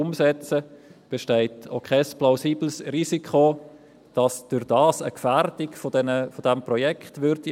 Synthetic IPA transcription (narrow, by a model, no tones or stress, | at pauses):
ʊmsɛt͡səb̥eʃtɛɪtʰo̰kʰɛsplaʊsiːblsrisikʰχo | d̥ɑsd̥ʊɾdɑːsə̰kfærd̥ikfodɛnəfodɛmprɔjɛkχtʋʏɾdi